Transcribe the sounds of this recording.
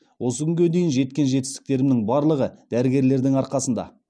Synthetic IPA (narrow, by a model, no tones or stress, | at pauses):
wʔo̞səkʲʏŋɡʲe̞d̪e̞jɪnʒe̞t̪̚kʲe̞nʒe̞t̪̬ːɪ̥st̪ɪ̥k̚t̪e̞ɾɪmnɪŋbɑɾlˠəʁəd̪̥æɾɪɡʲe̞ɾle̞ɾd̪ɪŋɑɾqɑsənd̪ɑ̰